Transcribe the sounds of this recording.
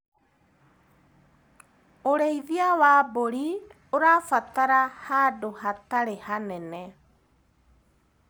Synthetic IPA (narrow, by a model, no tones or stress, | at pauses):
oɾejðiawaːboɾi | oɾafat̪aɾahadohat̪aɾehanene